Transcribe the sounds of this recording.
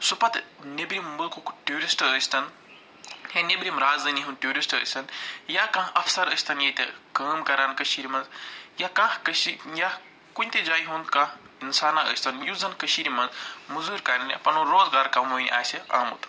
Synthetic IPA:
supɐt̪nʲebɾimbəkukʈuːɾisʈəːsʲt̪ɐn | henʲebɾimɾaːzd̪ɐniɦũnʈʲjuːɾisʈə̰ːsʲt̪ɐnjaːkãːɐfsɐɾəsʲt̪ʰɐnjɐt̪ekɐːmkɐɾaːnkəʃiɾimɐnzjakãːhkəʃija | kunʲt̪ed͡ʒaːjɦũnd̪kã | insaːnaə̰ːsʲt̪ʰɐnjuzɐnkəʃiɾimɐ̃nzmuzuːɾʲkɐnnʲipɐnoɾoːzɡaːɾkɐmoːnʲʔa̰ːsʲia̰ːmṵt̪

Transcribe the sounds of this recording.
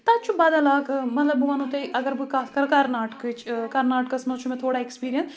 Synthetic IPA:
t̪ãt͡ʃʰubaːd̪əlaːɡmət̪ləbʊʋaːnõːt̪eːʔəɡəɾbkaskəɾkəɾnaːʈkɪt͡ʃkəɾnaːʈ̚kəsnõːt͡ʃʰumɛ̃ːt̪ʰoːɽaːɛkspiːɾijən

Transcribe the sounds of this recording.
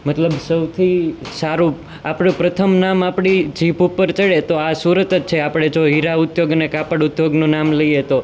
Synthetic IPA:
mət̪ləbsəwt̪ʰisaɾũ | apɳũpɾət̪ʰəmnamapɳ̃id͡ʒipupːəɾt͡ʃəɭet̪oasuɾət̪ət͡ʃʰeapɽ̃ed͡ʒoɦiɾaʊt̪joɡənekapəɽʊt̪joɡnũnamləiet̪o

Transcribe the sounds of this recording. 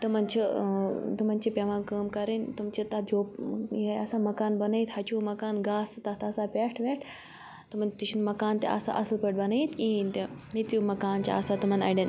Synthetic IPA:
t̪ɨmɐnt͡ʃʰit̪umɐnʲt͡ʃʰipʲɐʋãːnkəːmkɐɾinʲt̪umt͡ʃʰit̪ɐd͡ʒoːpjeɐsaːmɐkaːnbɐnɐit̪hɐt͡ʃuːmɐkaːnɡaːsɨt̪ɐt̪ɐsapʲeːʈʰʋeʈʰ | t̪ɨmɐnt̪it͡ʃʰunmɐkaːnt̪ʲḛʔɐ̰sa̰ʔɐslpəʈbɐnɐit̪kint̪emit̪jumɐkaːnt͡ʃiɐ̰sat̪umɐnɐ̰jɖɐ̃n

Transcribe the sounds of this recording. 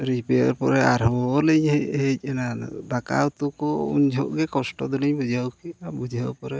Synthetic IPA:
ɾipejɔɾpɔɾɛaɾɦɔɔlɛɲhɛhɛc̚ˀɛnad̪aka̰ut̪ukɔṵɲd͡ʒʱɔʔɡɛkɔsʈɔd̪uliɲbud͡ʒawkiabud͡ʒʱawpɔɾɛ

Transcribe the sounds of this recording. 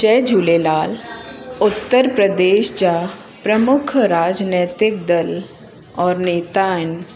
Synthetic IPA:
t͡ɕɛd͡ʑʱulelaːlut̪ːəɾpɾəd̪eɕt͡ɕa | pɾəmukʰɾaːd͡znɛt̪ɪk̚d̪əl | ɔɾnet̪an

